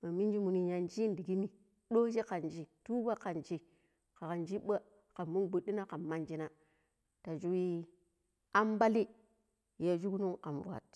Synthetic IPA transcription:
ma˨mi˦nd͡ʒi˦mu˨ni˨ɲa˨nd͡ʒi˦n˨di˨ɡi˦ni˨ | ɗo˦d͡ʒe˦ka˨nd͡ʒi˨tu˦ba˦ka˨nd͡ʒi˨˦ | ka˨ka˨nd͡ʒi˦ɓa˦ | ka˨mːu˦nbu˨ɗi˦na˦ka˨ma˦nd͡ʒi˦na˦ | ta˨d͡ʒu˦wi˦ | a˦mba˦li˦ | je˦d͡ʒu˦knu˦ŋka˨m˨vu˨a̰˨t̚

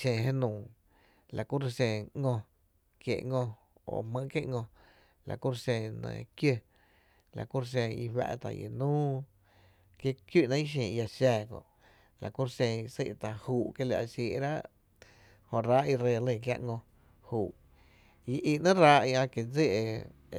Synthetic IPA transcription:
ʃẽ˧˨ɦe˦nũː˨ | la˨ku˦ɾʃẽ˧˨ŋõ˧ | kjḛ˨ʔŋõ˧ | o̰˨mə̃˧ʔkje˦ʔŋõ˧ | la̰˨ku˦ɾʃẽ˧nḛ̃˧kjə˧ | la̰˨ku˦ɾʃ̬ẽ˧˨i˧ɸwa̰˧ʔt̪a̰˨jḛ˨nũː˦ | kje˦kju˦ʔnã˦ĩ˦ʃ̬ĩː˨˧ja˧ʃɛː˧˨kõ̰˧˨ʔ | la˨ku˦ɾsẽ˧i˧sḛ˦ʔt̪a˨huː˨ʔkje˧la̰˧ʔʃiː˧˨˧ɾa˦ʔ | hõ˧ɾa˦ʔi˧ɾe˧˨lə̃˧˨k̬ja̰˧ʔŋõ˧ | huː˨ʔ | i˧ʔi˧˨ʔnã˦ɾaː˦ʔi˧ã˧ke˨d͡ze˦˨ʔe˧˨

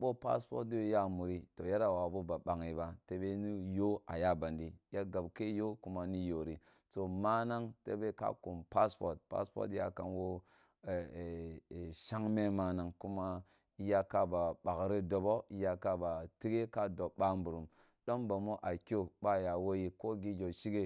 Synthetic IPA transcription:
ɓo˦pa̰˦spo̰˦t̚du˦wja˦mu˨ɾi˦to˨ja˦ɾa˨wa˨bo˦ba˨ɓa˨ŋi˨ba˨te˦be˦ni˦jo˦a̰˨ja˦ba˨ndi˦ja˦ɡa˨bke˦jo˦ku˦ma˦ni˦jo˨ɾi˨ | to˨ma˦na˦ŋte˦be˦ka̰˦ku˨mpa˦spo̰˨ɾt̚pa̰˦spo̰˦tja̰˦ka̰˨nwo˦˨ | ʃa˦ŋme˦ma˦na˨ŋku˦ma˦ | i˦ja˦ka˦ba˨ɓa˨kɾe˦do˨bo˦i˦ja˦ka˦ba˨ti˦ɡe˦ka˦do˨ɓa˦mbu˨ɾu˨m | ɗo˦mba˨mo˦ʔa˨kʲo˦ba˦ja˨wo˦ji˦ko˦ɡi˦d͡ʒo˨ʃi˦ɡe˦

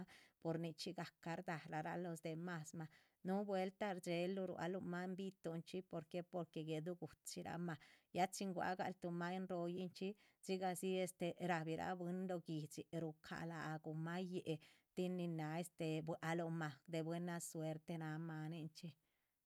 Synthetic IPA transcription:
po˨˧ɾni˧t͡ʃi˦ɡa˨ka˧ɾd̪a˨ɾa˨ɾa̰˧˦lo˧sd̪e˨ma˧sma˧ | nu˦bwe˦lt̪a˦ɾd͡ʒe˧lːu˧ɾṵ˧˨a̰˧lo˧ma˦mbi˦t̪o˧nt͡ʃi˦po˧ɾke˦po˧ɾke˧ɡe˨d̪u˦ɡu˨t̪t͡ʃi˧ɾa̰˦ma˧˨ja˦t͡ʃi˧ŋɡwa̰˧ɡa̰˧lt̪u˧ma˧e˦nɾo˧ji˦nt͡ʃi˦ | si˦ɡa˧si˦e˧st̪e˧ɾa˨bi˨ɾa̰˦bwe˦nd̪o˧ɡi˨t͡si˨ɾu˧kʰa̰˧la˨ɡu˨ma˦je˦ʔe˧ | t̪i˦nːi˧na˧e˧st̪e˧bwʔa˧lo˧ma˨d̪e˨bwe˦na˧swe˧˦ɾt̪e˧na˧ma˧ni˦˧nt͡ʃi˦

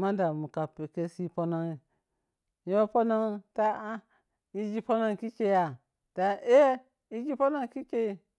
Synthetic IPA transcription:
ma˦n˦da˨mu˨ka˨pe˨ke˧si˦po˧na˧ŋi˨ | jo˦po˦na˧ŋta˦a˦ | i˧d͡ʒi˧po˦na˧ŋ˧ki˦ke˧˦a˨ | d̥a˨˧e˦ | i˦d͡ʒi˦po˦na˦ŋ˦ki˦ke˦i˧

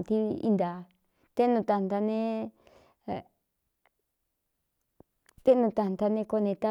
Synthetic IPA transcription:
t̪i˧˦ḭ˧nd̪a˨˧ | t̪e˦nũ˧t̪a˧nd̪a˧nẽ˦˨ | t̪e˦nũ˧t̪a˧nd̪a˧nẽ˧ko˧nẽ˧t̪a˦

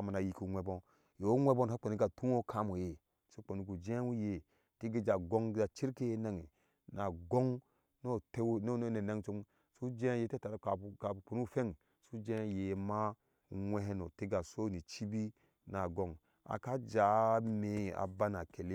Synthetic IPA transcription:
a˨ma˨na˨ji˨ku˨˦ŋʷe˦bo˦ | jo˨o˦ŋʷe˦bo˦n˨a˦k͡po˨ni˦ɡa˨tu˦o˦kʰa˦mo˨je˨ | so˦k͡po˨ni˦ɡu˨d͡ʒe˦wu˦je˨ | ti˦ɡi˦d͡ʒa˨ɡo˦ŋ˦a˨t͡ʃi˦ɾke˦je˦na˦ŋe˨ | na˨ɡo˦ŋ | no˦te˦wno˦n˦ne˨na˦ŋt͡ʃo˦m | su˦d͡ʒe˦je˦te˦ta˨ɾka˨u˨ka˨u˨k͡po˨nu˦˨fe˦ŋ | su˦d͡ʒe˦je˨˦ma˦ | ŋʷe˦ɦe˦no˨ti˦ɡa˨so˦ni˨t͡ʃi˦bi˦ | na˨ɡo˨ŋ | a̰˨ka˦d͡ʒa˨˦me˨a̰˨ba˦na˨ke˨le˦

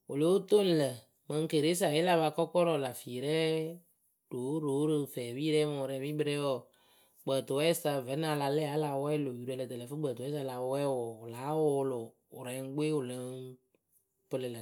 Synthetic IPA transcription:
o˨lo˨˦o˦to˦n̩˨lə˨ | mə˧ŋ˦ke˨ɾe˦s̬a˨jɪ˦la˦βa˧kɔ˦kɔ˦ɾɔ˦˨la˨fi˨ɾɛ˦ | d̥o˨˦ɾo˨˦ɾɨ˧fɛː˨bi˦ɾɛ˦mo˨˧ɾɛ˧βi˦bɨ˨ɾɛ˦wɔ˨ | ɡ͡bə˨to˨wɛ˦sa˧vɛ˨˦na˧˨la˧lɛ˦˨a˨˦la˨˦wɛ˦lo˨ju˨ɾɛ˨˧lə˨tə˨lə˨fɨ˦ɡ͡bə˨to˨˦ɛ˦s̬a˧la˨˦wɛ˦wɔ˨laː˨˦wʊ˨˦lʊ˨ | ʊ˨ɾɛ˨˦ŋ˦ɡ͡beː˦ʊ˨lə˨˦ŋ | pɨ˦lə˨lə˨

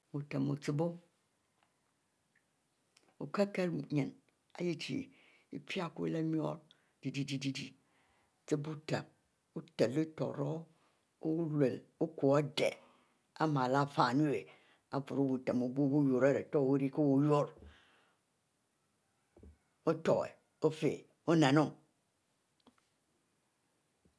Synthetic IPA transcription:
u˨te˨mo˨t͡si˨bo˦ | o˨ke˦ke˦ɾɲe˨n | a̰˦ji˦t͡ʃḭ˨ | i˦pʰja˦ku˦le˦mi˦o̰˦ɾ | di˨di˦di˦di˦di˨ | t͡si˦bu˦te˨m | u˦te˨li˦to̰˨ɾo˦ | le˨lu˦ku˨a˦dḛ˨ | a˦ma˨la˦fa˨nu˦e˨ | a˨vu˨ɾo˦bu˨ta˨mo˨bo˦bu˦jo˨ɾe˦˨ɾe˨to˦˨˦o˦ɾi˦ko˦wo˦jo˦ɾ | o˦to˨ɣḛ˨ | o˦fḛ˨ | o˦na˨no˦˨

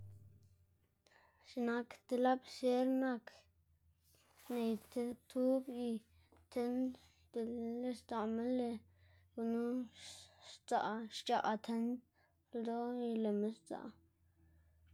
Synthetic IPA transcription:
ʃi˧na˧kt̪e˧la˦bse˦ɾna˦˧k | ne˨jt̪e˧t̪ʰu˦bji˧ | t̪ʰe˦n | d̪e˧˨e˧st̪a˨me˦nle˧ | ɡu˧nu˦ | t͡sa̰˨ʔʃt͡ʃa̰˨ʔt̪ʰe˧n˧ | ld̪o˦i˧le˨me˧˦st͡sa̰˨

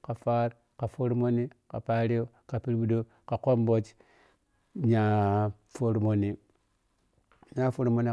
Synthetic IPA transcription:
ka˨fa˦ɾ | ka˨fo˦ɾmo˦ni˦ka˨pa˦ɾe˦o˦ | ka˨pi˦ɾbu˦do˦ | ka˨ko˦mbo˦t͡ʃ | ɲa˦ | fo˦ɾmo˨ni˨ | ɲa˦fo˦ɾmo˨ni˦

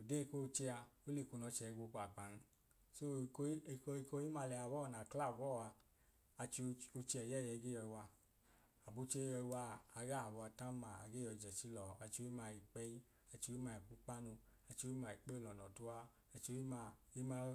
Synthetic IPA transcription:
o˨de˦˧ko˦˧t͡ʃe˧a˧o˦le˧˨ko˧nɔ˧˦t͡ʃɛ˨˧ɡʷo˧ku˧a˨k͡pa˨n˧˦ | so˦˧ko˧˦˧ko˧i˧ko˧˦i˦ma˧lɛ˧a˨˧˨bɔ˦˧˨na˨kla˦˨bɔ˦˨a˧ | a˧t͡ʃi˧o˧t͡ʃi˧ɛ˨jɛ˦˨jɛ˧˨˧ɡe˦ɔ˧i˧wa˧ | a˨bo˧˦t͡ʃe˦jɔ˧i˧wa˧a˧ɡa˦a˨bɔ˧a˧ta˦ma˨a̰˧ɡe˦jɔ˧˨d͡ʒɛ˨t͡ʃi˦lɔ˨a˧t͡ʃi˧o˧˦i˦ma˧˨i˨k͡pɛ˦i˦ | a˧t͡ʃi˧o˧˦i˦ma˧˨i˨k͡pu˧˦k͡pa˦nu˧a˧t͡ʃi˧o˧˦i˦ma˧i˨k͡pɛ˦o˧lɔ˨nɔ˨tu˧˦a˧ | a˧t͡ʃi˧o˧˦i˦ma˧i˦ma˧˦

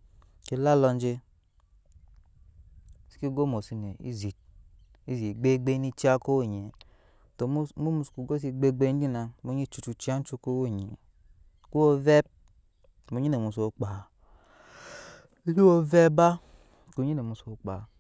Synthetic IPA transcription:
ki˧˦la˦lɔ˧n˦d͡ʒi˧˦ | si̥˦ki˦ɡo˦mo˨si˧ne˨ḭ˦zi˨ | i˦˨zi˨ɡ͡be˦ɡ͡be˦ni˧t͡ʃi˦a˦ko˦wo˦˨ɲe˨ | to˨˦mu˦mu˧sku˨ɡo˦s̬i˧ɡ͡be˧ɡ͡be˧˦n˦i˦na˧mu˧˦ɲi˦t͡ʃu˧t͡ʃu˧t͡ʃi˦a˦n˦t͡ʃu˧ko˦wo˦˨ɲe˨ | ku˦o˧vɛ˦p̚ | mu˨˧ɲi˦ne˨mu˧˨so˨k͡pa˨˦ | li˦wo˧vɛ˦ba˦ | ku˧˨ɲi˦ne˨mu˧˨so˨k͡pa˨

